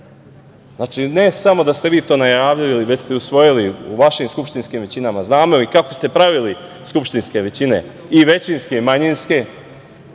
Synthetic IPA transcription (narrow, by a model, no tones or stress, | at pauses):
zaːt͡ʃine̞samo̞d̪ast̪eʋiːt̪o̞ːnajaːʋililiʋet͡ɕst̪eusʋo̞jiliṵʋaʃimskupʃt̪inskiːmʋe̞t͡ɕinamaznaːmoikakost̪e̞pɾaʋili | skupʃt̪inske̞ʋe̞t͡ɕine̞̰ | iʋe̞t͡ɕinske̞imaɲinske̞